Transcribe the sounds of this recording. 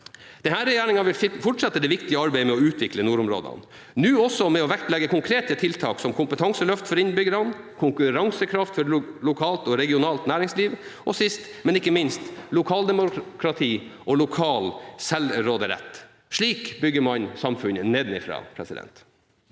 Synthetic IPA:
d̪̥ɛnhæːɾɛjæːɳɪŋɑʋɪlfʊʈʂɑt̪ːəd̪ɛʋɪkt̪ɪəɑɾbæɪmɛɔʉːt̪ʰʋɪklənuːɾʊmɾo̰ːd̪ɑ̰n | nʉːɔsɔmɛɔʋækt̪lɛɡːəkʰʊŋkʰɾeːt̪ət̪ʰɪlt̪ʰɑːksɔmkʰʊmpət̪ʰɑŋsəlœft̪fɔɾɪnbʏɡəɾɑn | kʰʊŋkʉɾɑŋsəkʰɾɑft̪fɔɾlʊkʰɑːlt̪ɔɾɛɡɪʊnɑːlt̪næːɾɪŋsliːʋʔɔsɪst̪mɛnɪkːəmɪnst̪lʊkʰɑːld̪ɛmʊkʰɾɑt̪ʰiːʔɔlʊkʰɑːlsɛlɾoːd̪əɾɛ̰t̪ː | ʂɭiːkbʏɡːəmɑnsɑmfʉnəneːd̪n̩ɪfɾɑ̰ːpʰɾɛsɪd̪ɛ̰nt̪

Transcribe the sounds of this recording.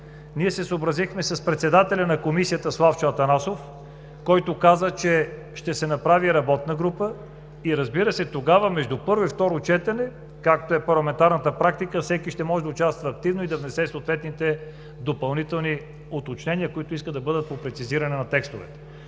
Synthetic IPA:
niɛsɛsoːbɾɐzixmɛsɐspɾɛt̪sɛd̪at̪ɛlʲɐnɐkomisijət̪əslˠaft͡ʃɐt̪ɐnasof | kɔjt̪okazət͡ʃɛ | ʃt̪ɛsɛnɐpɾaviɾɐbɔt̪nəɡɾupə | iɾɐzbiɾəsɛt̪oɡavəmɛʒd̪upɤɾvoift̪ɔɾot͡ʃɛt̪ɐnɛ | kak̚t̪oɛpɐɾlˠɐmɛnt̪aɾnət̪əpɾak̚t̪ikəfsɛkiʃt̪ɛmɔʒɛd̪ɐot͡ʃast̪vəːk̚t̪ivnoid̪ɐvnɛsɛsot̪vɛt̪nit̪ɛ | d̪opɐlˠnit̪ɛlˠni | ot̪ot͡ʃnɛniəkoit̪ʊiskəd̪ɐbɤd̪ət̪̚popɾɛt̪siziɾɐnɛnɐt̪ɛkst̪ovɛ̰t̪ɛ̥

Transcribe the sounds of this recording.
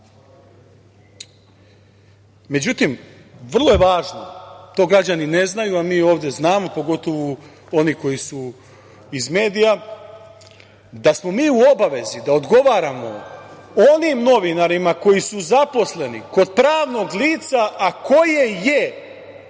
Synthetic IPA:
me̞d͡ʑut̪im | ʋr̩lˠoje̞ʋaːʒno̞t̪o̞ːɡɾad͡ʑanine̞znajuamiːo̞ːʋd̪eznaːmo̞po̞ɡo̞t̪o̞ʋu | o̞niko̞jisu | izme̞ːd̪ija | d̪asmo̞miːuo̞baʋe̞zid̪aod̪ɡo̞ʋaːɾamo̞̰onimno̞ʋinaɾimako̞jisuzapo̞sle̞niko̞d̪̚pɾaːʋno̞ɡliːt̪saʔːkʰo̞je̞je̞

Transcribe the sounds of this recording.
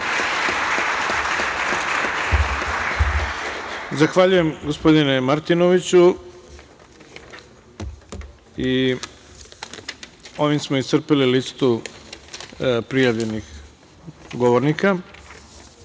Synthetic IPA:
zaxʋaʎuje̞mɡospo̞d̪inemaɾt̪ino̞ʋit͡ɕu | i | o̞ʋimsmoisr̩peliliːt̪st̪u | pɾijaʋʎe̞nix | ɡo̞ʋoɾnika

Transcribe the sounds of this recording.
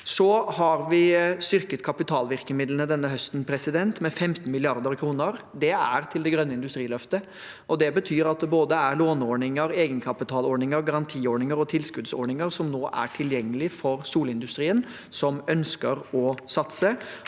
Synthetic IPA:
sɔhɑɾʋɪst̪ʏɾkət̪kʰɑpɪt̪ʰɑːlʋɪɾkəmɪd̪lənəd̪ɛnːəɦœst̪n̩pʰɾɛsɪd̪ɛnt̪mɛfɛmt̪n̩mɪlɪɑɾd̪əɾkʰɾuːnəɾd̪ɛæɾt̪ʰɪld̪ɛɡɾœnːəɪnd̪ʉst̪ɾiːlœft̪ə | ʔɔd̪ɛbət̪ʰyːɾɑt̪̚d̪ɛboːd̪əæɾloːnɔɳɪŋəɾeːɡənkʰɑpɪt̪ʰɑːlɔɳɪŋəɾɡɑɾɑnt̪ʰiːoːɳɪŋəɾɔt̪ʰɪlskʉd̪sɔ̰ɳɪŋəɾsɔmnoːʔæ̰ʈʰɪljɛŋːəlɪfɔɾsuːlɪnd̪ʉst̪ɾiːən | sɔmœnskəɾɔsɑt̪sə

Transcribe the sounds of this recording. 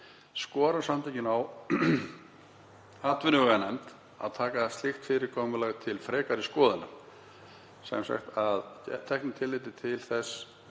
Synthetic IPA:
skɔːɾḁsamt̪ʰajcɪnaw | aːt̪vʏnʏɣʏɛnɛmt̪ | a̰ðt̪ʰaːkaðast̪lɪxt̪fɪːɾɪɾkʰɔːmʏlɛɣt̪ʰɪlfɾɛːkaɾɪskɔːðɪnːam | sɛ̰msɛ̰xt̪aðt̪ʰɛhknɪmt̪ʰɪlːɪt̪̬ɪt̪ʰɪlθɛsː

